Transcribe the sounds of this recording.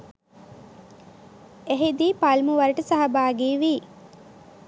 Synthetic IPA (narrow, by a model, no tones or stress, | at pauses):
eɦid̪iːpalmuʋɐɾɐʈəsaɦɐbaːɡiːʋiː